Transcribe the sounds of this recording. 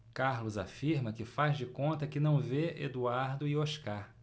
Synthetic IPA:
kaɾlʊza̰fiɾmɐkɪfazd͡ʒɪkõnt̪ɐkɪnɐ̃w̃veḛd̪uaɾd̪ʊɪoʃkaɾ

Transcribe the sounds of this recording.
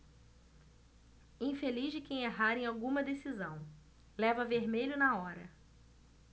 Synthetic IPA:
ĩfeliʒd͡ʒɪkẽj̃eɦaɾẽj̃awɡũmɐd̪esizɐ̃w̃ | lɛvɐveɾmeʎʊnɐɔɾɐ

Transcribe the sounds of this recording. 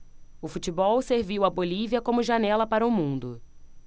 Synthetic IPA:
ʊfut͡ʃibɔwseɾviwɐboliviɐkõmʊʒanɛlɐpaɾɐʊmũnd̪ʊ

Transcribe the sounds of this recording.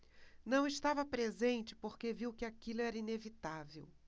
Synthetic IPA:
nɐ̃w̃ɪʃt̪avɐpɾezẽnt͡ʃɪ̥poɾkeviwkɪakilʊɛɾɐinevit̪avḛw

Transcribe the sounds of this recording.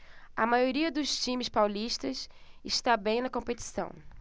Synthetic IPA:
ɐmajoɾiɐd̪ʊst͡ʃĩmɪspawliʃt̪ɐsɪʃt̪abẽj̃nɐkõmpet͡ʃi̥sɐ̰̃w̃

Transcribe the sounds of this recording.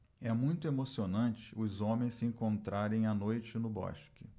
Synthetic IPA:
ɛmũj̃t̪ʊemosionɐ̃t͡ʃɪ̥ʊzõmẽj̃ssɪẽkõnt̪ɾaɾẽj̃anojt͡ʃɪnʊbɔ̰ʃkɪ

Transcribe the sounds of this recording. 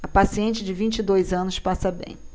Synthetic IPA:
ɐpasiẽnt͡ʃɪd͡ʒɪvĩt͡ʃid̪ojzɐ̃nʊspasɐbḛ̃j̃

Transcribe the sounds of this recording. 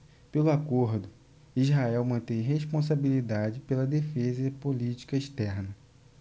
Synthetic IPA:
pelʊakoɾd̪ʊ | izɦaɛwmɐ̃nt̪ẽjɦeʃpõs̬abilid̪ad͡ʒɪpelɐd̪efezɐɪpolit͡ʃi̥kɐiʃt̪ɛɾnɐ

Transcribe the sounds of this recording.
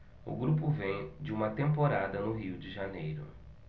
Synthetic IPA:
ʊ̰ɡɾupʊvẽj̃d͡ʒɪũmɐt̪ẽmpoɾad̪ɐnʊɦiwd͡ʒɪʒanejɾʊ̰

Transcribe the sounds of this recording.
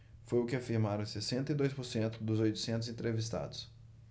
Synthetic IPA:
fojʊkɪafiɾmaɾɐ̃w̃sesẽnt̪ɐid̪ojspʊɾsẽnt̪ʊd̪ʊzojt̪ʊ̥sẽnt̪ʊzẽt̪ɾevist̪a̰d̪ʊs

